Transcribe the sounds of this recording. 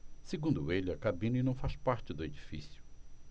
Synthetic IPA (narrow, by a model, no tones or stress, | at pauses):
seɡũnd̪ʊelɪɐkabĩninɐ̃w̃faspaɾt͡ʃɪd̪ʊed͡ʒifḭsjʊ